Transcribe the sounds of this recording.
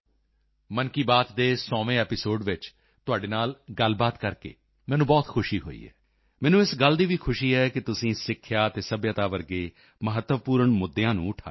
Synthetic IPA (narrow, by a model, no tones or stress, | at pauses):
mənkiːbaːt̪d̪eːsɔːʋẽːɛːpɪsoːɖʋɪt͡ʃ | t̪ʊaːɖeːnaːlɡəlbaːt̪kəɾkḛː | mɛːnũːbɔːt̪kʰʊʃiːɦo̰ːḭːɛ̰ː | mɛ̃ːnũːɪsɡəld̪iːʋiːkʰʊʃiːɦɛːkɪt̪ʊsĩːsɪkʰːjaːt̪eːsəbjət̪aːʋəɾɡeː | məɦət̪ːəʋpuːɾəɳmʊd̪ːjãːnṵ̃ːʊʈʰa̰ː